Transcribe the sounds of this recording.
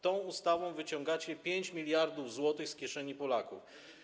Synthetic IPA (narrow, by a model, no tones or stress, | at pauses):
t̪ɔ̃w̃ust̪avɔ̃w̃vɘt͡ɕɔ̃ŋɡat͡ɕɛpʲjeɲt͡ɕmʲilʲjaɾd̪uvzwɔt̪ɘxskʲɛʂɛɲipɔlakuf